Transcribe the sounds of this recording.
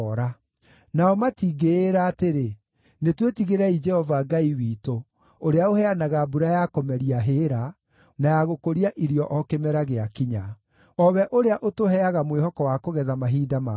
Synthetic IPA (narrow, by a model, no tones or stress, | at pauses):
ɾa | naɔmatiɡeːɾaːteɾe | netwetiɣeɾɛid͡ʒɛhɔvaɡaiwiːto | oɾeaohɛanaɣabuɾajakɔmɛɾiaɦeːɾa | najaɣokoɾiaʔiɾiɔʔɔkemɛɾaɣeakiɲa | ɔβɛʔoɾeaʔotoɦɛaɣamwehɔkɔwakoɣɛðamaɦiːdama